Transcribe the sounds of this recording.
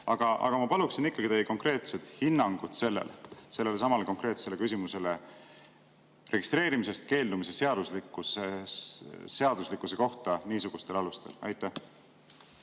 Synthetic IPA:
ɑɡ̥ɑʔɑ̰ɡ̥ɑmɑpɑluksinikːɑɡit̪ejiko̞ŋkɾe̞ːt̪se̞t̪hinːɑŋɡ̥ud̪̥se̞lːḛlse̞lːe̞le̞sɑmɑleko̞ŋkɾe̞ːt̪se̞le̞kys̬ʲimuse̞le̞ | rʔe̞ɡ̥ist̪ɾe̞ːɾimise̞st̪̚ke̞ːld̪umisese̞ɑd̪̥uslikːˑuse | se̞ɑd̪̥uslikːˑuse̞ko̞ht̪ɑniːsuɡ̥ust̪e̞lɑlust̪e̞̰lɑ̰jt̪ːˑæh

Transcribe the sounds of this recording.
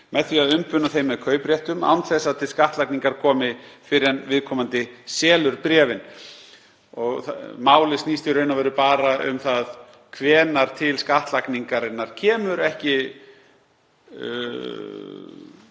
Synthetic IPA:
mɛðθviaðʏmpʏnaθejmːɛðkʰœːɥpɾjɛht̪ʏma̰wnθɛsːaðt̪ʰɪlskaht̪lakniŋkaɾ̥kʰɔːmɪfɪɾɛnvɪðkʰɔːmant̪ɪsɛːlʏɾpɾɛːvɪn | ɔɣmaːwlɪstniːst̪ɪɾœːɥnavɛɾʏpaːɾaʔʏ̰mθað | kʰvɛːnaɾ̥t̪ʰɪlskaht̪lakniŋkaɾɪnːaɾ̥cʰɛːmʏɾɛhcɪ

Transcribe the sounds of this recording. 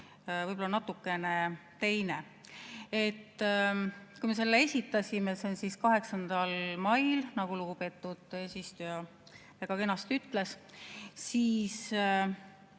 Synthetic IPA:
vɯjbolɑnɑt̪ːukːˑe̞ne̞t̪e̞jne | e̞t̪ː | kujmes̬e̞lːee̞sʲit̪ːˑɑsʲimesensiskɑɦe̞ksɑnd̪̥ɑlmɑjlnɑɡ̥uluɡ̥upe̞t̪ːud̪̥eːsʲist̪ujɑ | æɡ̥ɑke̞nːɑst̪yt̪le̞s | siːs

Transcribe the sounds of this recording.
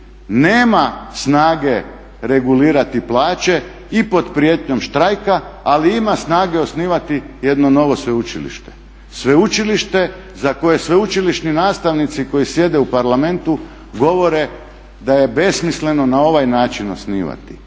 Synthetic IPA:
neːmasnaːɡe̞ | ɾe̞ɡuliːɾat̪iplˠaːt͡ʃe̞ | ipo̞d̪pɾijet̪ɲo̞mʃt̪ɾajkaːliimasnaːɡe̞o̞sniːʋat̪ije̞d̪no̞no̞ʋosʋe̞ut͡ʃḭlḭʃt̪e̥ | sʋeut͡ʃiliʃt̪e̞ | zako̞jesʋeut͡ʃiliʃninaːst̪aʋnit̪siko̞jisje̞d̪e̞upaɾlamẽ̞nt̪u | ɡo̞ʋo̞ɾe̞ | d̪aje̞be̞smisle̞no̞nao̞ʋajnaːt͡ʃino̰sniːʋa̰t̪i̥

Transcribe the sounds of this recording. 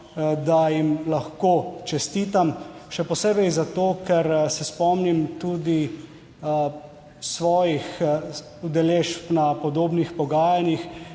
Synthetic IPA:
d̪ajimlaxkoːt͡ʃɛst̪iːt̪amʃɛpɔseːbɛjzat̪oːkɛɾsɛspɔmnimt̪uːd̪i | sʋɔːjix | ud̪ɛleʃpnapɔd̪oːbnixpɔɡaːjanix

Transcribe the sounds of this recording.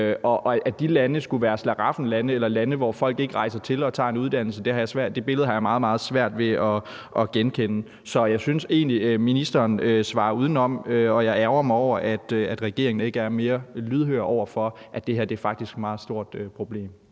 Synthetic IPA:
ɒ̽ʔʔæd̥ilænəsɡ̥uʋæːɐslɑʁɑ̈fn̩lænəelɐlænəʋɒːfɒ̽l̰ɡ̥e̝ɡ̥əʁɑ̈ɪsɐt͡sʰe̝lɒ̽t͡sʰɑ̰̈e̝nuð̞ˠd̥æn̰l̩səd̥e̝hɑ̈jäsʋæɐ̰d̥̚d̥e̝b̥e̝lð̩ˠhɑ̈jämɑ̈ːð̞̩ˠmɑ̈ːð̞̩ˠsʋæɐ̰d̥ʋe̝ɒ̽ | ʔɒɡ̥enkʰenə | sɒ̽jɑ̈ɪsynse̝̰ːnliminisd̥ɐːnøsʋɑ̰̈ːuːð̞ˠn̩ɒ̽m̰øɒ̽jɑ̈ɪæʊɐmɑɒʊ̰ɐʔæd̥øæd̥ʁɛɡ̥e̝̰ɐ̰eŋn̩e̝ɡ̥əæɐme̝ːɐlyð̞ˠɦøːɐɒʊ̰ɐfɒ̽ʔæd̥e̝hæɐ̰d̥e̝æɐfɑ̈ɡ̥̚d̥isɡ̥mɑ̈ːð̩ˠsd̥o̝ɐ̰d̥øpʰʁo̝b̥le̝̰ːm

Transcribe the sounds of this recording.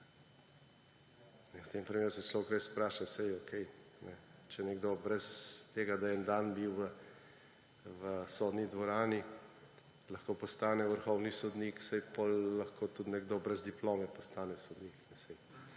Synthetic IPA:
nɛwt̪eːmpɾimeːɾusɛslɔwkɾespɾaːʃasɛjɔkʰɛjnɛt͡ʃɛnɛɡd̪obɾɛst̪eːɡad̪ajɛnd̪aːnbiwʋə | ʋəsoːd̪nid̪ʋɔɾaːni | lɐxkoːpɔst̪aːnɛʋəɾxɔwnisɔd̪niːksɛjpolːɐxkʰoːt̪ut̪nɛɡd̪oːbɾɛzd̪iploːmɛpɔst̪aːnɛsɔd̪niːknɛsɛj

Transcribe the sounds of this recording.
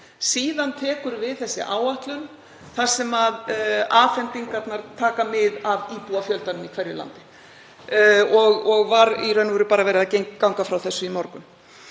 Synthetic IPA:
siːðant̪ʰɛːkʏɾvɪðθɛsːɪ̰ʔaːwaht̪lʏn | θḁsɛmaðaːfɛnt̪iŋkaɾt̪naɾ̥t̪ʰaːkamɪðaviːpuafjœlt̪anʏmikʰvɛɾjɪla̰nt̪ɪ̥ | ɔɣɔɣvaɾiɾœɥnʏvʏɾʏpaːɾavɛːɾɪðacejŋkkːawŋkafɾawθɛsːʏimɔɾkʏm

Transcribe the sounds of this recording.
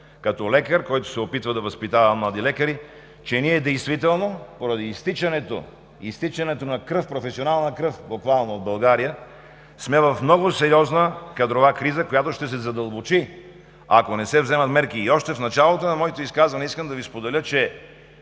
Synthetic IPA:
kɐt̪ɔlɛkəɾkɔjt̪o̥sɛopit̪vəd̪ɐvɐspit̪avɐmmlˠad̪ilɛkəɾi | t͡ʃɛniɛd̪ɛjst̪vit̪ɛlˠnopoɾɐd̪iːst̪it͡ʃɐnɛt̪o̰ | ist̪it͡ʃɐnɛt̪onɐkɾɤfpɾofɛsionalˠnəkɾɤfbokvalˠnood̪̚bɐlˠɡaɾijə | smɛvɐfmnɔɡʊsɛɾiɔznəkɐd̪ɾovakɾizəkojat̪oʃt̪ɛs̬ɛzɐd̪ɐlˠbot͡ʃi | akonɛsɛvzɛmɐt̪mɛɾkiːɔʃt̪ɛfnɐt͡ʃalˠot̪onɐmɔit̪oiskazvɐnɛiskəmd̪ɐvispod̪ɛlʲət͡ʃɛ

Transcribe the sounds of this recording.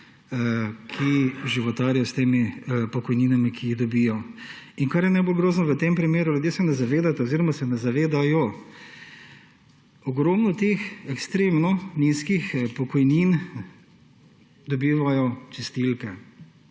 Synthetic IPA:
kʰiʒiʋɔt̪aːɾjɔst̪eːmipɔkɔjniːnamikʰiːɣd̪ɔbijɔ | inkaɾjɛnɛɪbolɡɾoːznɔʋət̪empɾimeːɾuljud̪jeːsɛnɛzaʋeːd̪at̪aoziːɾɔmasɛnazaʋeːd̪ajɔ | ɔɡɾoːmnɔt̪eːxɛkst̪ɾeːmnɔniskixpɔkɔjniːn | d̪ɔbiːʋajɔt͡ʃɛst̪ilkɛ

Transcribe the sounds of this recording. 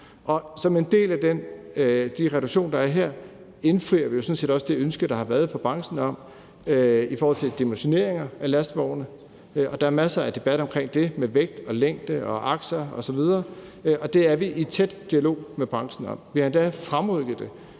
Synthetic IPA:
ʔɒ̽sɒ̽me̝nd̥e̝̰ːlæd̥en | d̥iʁɛɾ̥uɡ̥ɕo̝̰ːnd̥ɑ̈æɐɦeɐ̰ | e̝nfʁiɐʋijo̝sɔ̽nse̝̰ːd̥ɒ̽səd̥e̝ønsɡ̥əɾ̥ɑ̈hɑ̈ʋæɐð̩ˠfɒ̽b̥ʁɑ̈ŋsn̩ɒ̽m̰ | ifɒɔːhɒ̽l̰t͡sʰe̝ld̥imoɕo̝ne̝̰ɐe̝ŋɐælæsd̥ʋɒ̰ʊnə | ʔɒ̽d̥ɑ̈æɐmæsɐæd̥e̝b̥æd̥ɒ̽mkʰʁeŋ̰d̥e̝meʋeɡ̥̚d̥ɒ̽leŋ̰d̥əɒ̽ʔɑ̈ɡ̥sɐɒ̽sɒ̽ʋið̞ˠɐː | ʔɒ̽d̥e̝æɐʋiʔit͡sʰed̥d̥iælo̝̰ːmeb̥ʁɑ̈ŋsn̩ɒ̽m̰ʋihɑ̈end̥æfʁamʁɔðɡ̥ð̩ˠd̥e̝

